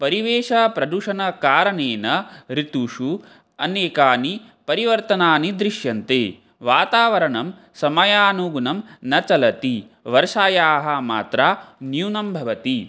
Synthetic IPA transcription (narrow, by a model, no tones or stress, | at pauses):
pɐɾiʋeːʂɐːpɾɐd̪uʂɐnɐkaːɾɐneːnɐɾit̪uʂu | ɐ̰neːkaːni | pɐɾiʋɐɾt̪ɐnaːnid̪ɾiʂjɐnt̪eː | ʋaːt̪aːʋɐɾɐɳɐm | sɐmɐjaːnuɡunɐmnɐt͡ʃɐlɐt̪i | ʋɐɾʂaːjaːɦɐma̰ːt̪ɾaːnjuːnɐmbʱɐʋɐt̪i